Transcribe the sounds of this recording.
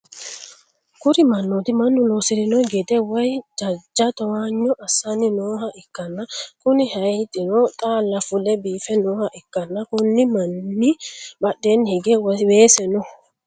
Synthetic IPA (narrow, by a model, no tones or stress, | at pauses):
kʊɾɪmɐnːɔt̪ɪmɐnːʊnoːsɪɾɪnɔɡɛd̪ɛwɐjd͡ʒɐd͡ʒːɐt̪ɔwaːɲːɔʔɐsːɐnɪnoːɦɐʔɪkːɐnːɐkʊnɪhɐjt̪ʼɪnɔt̪ʼaːlːɐfʊlɛbiːfɛnɔːhɐʔɪkːɐnːɐkʊnːɪmɐnːibɐɗːeːnːhɪɡɛwweːsɛnɔ